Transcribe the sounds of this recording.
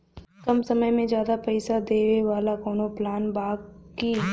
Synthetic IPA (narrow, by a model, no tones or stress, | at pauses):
kɐmsɐməjmẽd͡ʒjaːd̪apɛɪsad̪eːʋeʋaːlakoːnoplaːnbaːɡkiː